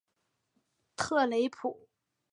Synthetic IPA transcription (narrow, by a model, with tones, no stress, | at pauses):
t̪ʰɤ˥˩le˧˥ɪpʰu˨˩˦